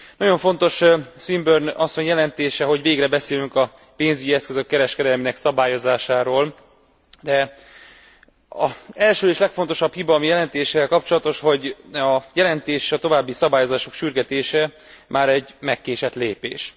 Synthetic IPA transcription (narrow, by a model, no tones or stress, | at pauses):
nɒɟo̞ɱfo̞nt̪o̞ʃsʋimbørnɒsːo̞ɲjɛlɛnt̪eːʃɛɦo̞ɟveːɡrɛbɛseːlyŋkɒ | peːnzyɟiɛskøzø̞kːɛɾɛʃkɛd̪ɛlmiːnɛksɒbaːjo̞zaːʃaːɾoːl | d̪ɛ | ɒɛlʃøːeːʃlɛkfo̞n̪t̪o̞ʃɒphibɒmijɛlɛnt̪eːʃɛlkɒpt͡ʃolɒt̪o̞ʃho̞ɟɒjɛlɛnt̪eːʃeʃɒt̪o̞vaːbːisɒbaːjozaːʃo̞kʃyrɡɛt̪eːʃɛ | mʔaːɾɛɟmɛkːeːʃɛt̪leːpḛːʃ